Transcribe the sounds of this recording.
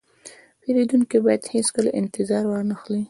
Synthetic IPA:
peɾed̪uŋkibɑjad̪heskəlaʔɪ̰nt̪ɪzɑɾwɑɾnaxli

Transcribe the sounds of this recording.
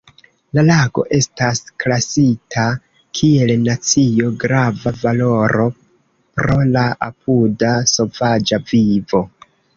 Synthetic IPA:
lalaɡo̞̰ʔe̞stasklasitʰa | kʰie̞lnat͡sijo̞ɡɾavavalo̞ɾo̞ | pɾo̞laapʰudaso̞vad͡ʒavivo̞

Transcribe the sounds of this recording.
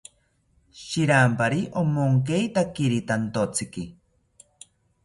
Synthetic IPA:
ʃiɾampaɾiʔomoŋk̬ejt̪akiɾit̪ant̪ot͡sʰɨki

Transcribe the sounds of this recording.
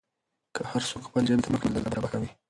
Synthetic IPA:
kʰəhaɾsokxpəld͡ʒant̪aməknaləlabaɾabakawi

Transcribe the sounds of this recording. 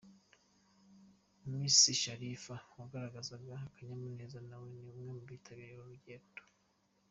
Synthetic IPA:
mumiːsiʃaɾifawaɡaɾaɡazabɡakaɲamuneːzanawe̞niumŋe̞mubitʰaβiɾiɾoɾuɟeːto̥

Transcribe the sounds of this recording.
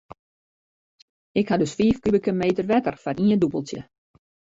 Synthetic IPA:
ɪkhadɵsfiːfkybəkəmeːtərʋɛtərfaɾiəndubəlˠtjə̰

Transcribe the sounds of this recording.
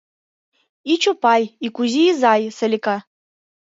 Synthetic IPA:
it͡ʃʰupajikʷʼuziːzajsɐlʲikʰa

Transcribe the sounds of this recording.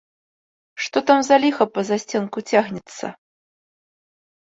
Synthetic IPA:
ʂt̪ɔt̪amzalʲixɐpɐzasʲt͡sʲɛnkut͡sʲaɣnʲɛt̪sːɐ̰

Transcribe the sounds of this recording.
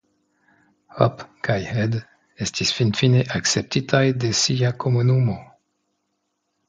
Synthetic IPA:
hɔ̰pkʰajhɛd̪ | ɛst̪isfinfineʔaksɛp̚t̪it̪ʰajd̪esijakʰɔmɔnumɔ̃

